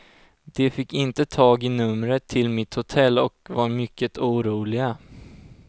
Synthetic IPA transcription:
d̪̥ɛfɪkːɪnt̪ət̪ʰɑːɡɪnɵmɾət̪ʰːɪlmɪt̪hʊt̪ʰɛlːɔkvaɾmʏkːət̪uːɾuːlɪɡa

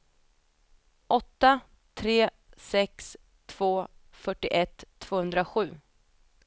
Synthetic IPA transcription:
ʔɔt̪ːa | t̪ʰɾeː | sɛks | t̪ʰv̥oːfœʈːɪʔɛt̪ʰːv̥oːhɵnd̪ɾaɧʉ̟ː

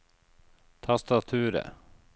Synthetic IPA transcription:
t̪ʰast̪at̪ʰʉːɾə̰

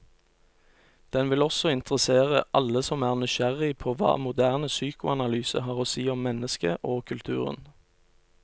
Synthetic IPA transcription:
d̪̥ɛnʋɪlɔsɔɪnt̪əʁəseːʁəʔɑləsɔmæːʁnʏʃæʁɪpʰoːʋɑ̰ːmʊd̪æːʁnəsyːkʊɑnɑlyːsə̰ɦɑːʁoːsiːɔmːɛnəskəʔoːkʰʉlt̪ʰʉ̰ːʁə̰n

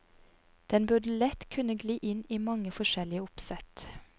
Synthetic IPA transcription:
d̪̥ɛnbʉɖəlɛt̪kʰʉnəɡliːʔɪniːmɑŋəfɔʃɛlɪəʊpsɛt̪

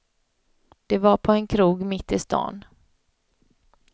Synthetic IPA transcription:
d̪̥ɛvaɾpʰɔɛnkʰɾuːɡmɪt̪ːɪst̪ɑ̰ːn

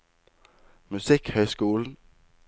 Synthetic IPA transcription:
mʉsɪkhøːskuːln̩

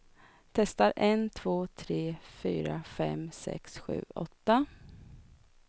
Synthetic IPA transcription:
t̪ʰɛst̪aɾɛnt̪ʰvoːt̪ʰɾeːfyːɾafɛ̰msɛ̰ksɧʉ̟̰ːʔɔt̪ːa

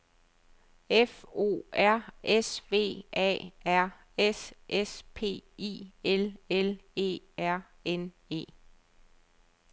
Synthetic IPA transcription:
efo̝̰ːæɐ̰esʋe̝̰ːʔɛ̰ːæɐ̰ | esʔespʰe̝̰ːḭːelele̝̰ː | æɐ̰ | en | e̝̰ː

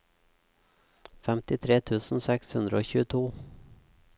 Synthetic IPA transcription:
fɛmt̪ɪt̪ʰɾeːt̪ʰʉːsn̩sɛkshʉnd̪ɾəoːçʉːət̪ʰuː

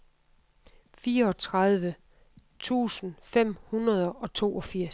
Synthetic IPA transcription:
fiːɐɒ̽t͡sʰʁɑðˠʋə | t͡sʰṵːsn̩fem̰hunɐð̞ˠɐɒ̽t͡sʰo̝̰ːʔɒ̽fiɐ̰s

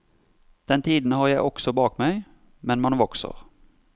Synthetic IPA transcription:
d̪̥ɛnt̪ʰiːd̪n̩hɑːʁjæɪʔɔksɔbɑːkmæɪ | mɛnmɑnʋɔksə̰ʁ

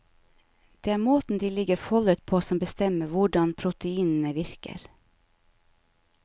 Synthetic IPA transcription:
d̪̥eːæːɾmoːt̪n̩d̪iːlɪɡəɾfɔlʉt̪̚pʰoːsɔmbəst̪ɛməʋʊɖɑnpʰɾʊt̪əiːnn̩əʋɪɾkə̰ɾ

